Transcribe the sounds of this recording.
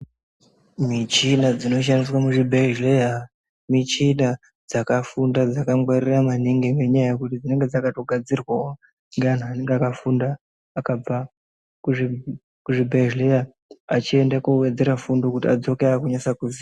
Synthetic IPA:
mit͡ʃinad͡zino̞ʃ̬andis̬wamuʐibʱeʒlea | mit͡ʃina | d͡zakafundad͡zakamɡwariramaneŋɡeŋɡe̞ɲaajekutid͡zine̞ŋɡe̞d͡zakato̞ɡʱad͡zirwawo | ŋɡean̤uane̞ŋɡeakafundaː | kab͡va | ku | kuʐibʱeʒlejaː | t͡ʃie̞ndakuwe̞d͡ze̞ɾafundo̞kutiad͡zo̞keakuɲasakuzi

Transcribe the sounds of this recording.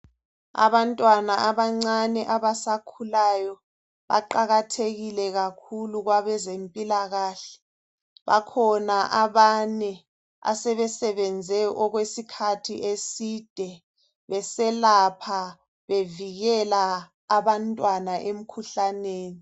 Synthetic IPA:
a̰βantʼwanaaβaŋ͡ǀanɛʔaβasakʰulajɔ | βa̰ǃaɣatʰeɣilɛɣakʰuluɣwaβɛzempʼilaɣaːɬɛ̥ | βa̰kʰɔnaʔaβanɛ | a̰sɛβɛsɛβɛnd͡zʱɛʔɔɣwesikʰatʰiʔesid̥ʱɛ | βɛsɛlapʰa | βeviɣɛlaː | βantʼwanaʔem̩kʰuɬaneːni

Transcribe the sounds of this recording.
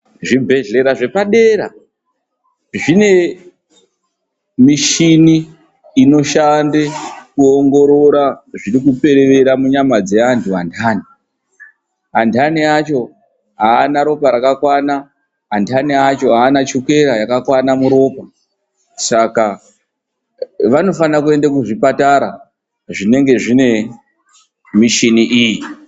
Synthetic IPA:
ʐibʱe̞ɮe̞ɾaʐe̞paɗe̞ːɾa̰ | ʐine̞ | miʃiniː | no̞ʃandekuoŋɡo̞ɾoɾaʐiɾikupe̞ɾe̞ʋe̞ɾamuɲamad͡ze̞antʰuandʰaːni | antʰaniat͡ʃo̞ | ɦaːnaɾo̞paɾakakwana | antʰaniat͡ʃo̞ɦaːnat͡ʃoke̞ɾajakakwanamuɾo̞ːpa | saka | ʋano̞fanakue̞ndakuʐipataɾa | ʐine̞ŋɡe̞ʐine̞ | miʃiniʔiːji

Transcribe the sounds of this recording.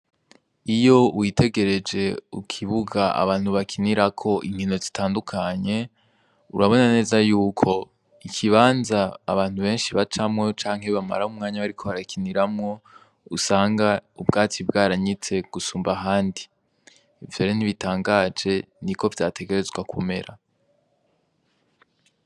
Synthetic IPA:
ijo̞uwitʰe̞ɡe̞ɾe̞d͡ʒe̞ukʰiβuɡaa̰βaːn̥huβakʰiniɾakʰo̞ʔiŋino̞zitʰaːndukʰaɲe̞ | uɾaβo̞nane̞ːzajuːkʰo̞ | ikʰiβaːnzaːβaːn̥huβe̞ːnʃiβat͡ʃamŋo̞t͡ʃaːŋ̥ɦe̞βama̰ɾaumŋaːɲaβaɾikʰo̞βaɾakʰiniɾamŋo̞ | usaːŋɡaubɡaːt͡sibɡaːɾaɲit͡se̞ɡ̥usuːmbaɦaːndi | vjoːɾen̥iβitaːŋɡad͡ʒe̞nikʰo̞vjaːtʰe̞ɡe̞ɾe̞zɡwakʰume̞ɾʔa

